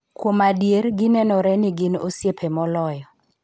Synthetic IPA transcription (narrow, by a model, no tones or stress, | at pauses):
kwomadjeɾɡɪnɛnɔɾɛnɪɡɪno̰sjepʰemɔlɔjɔ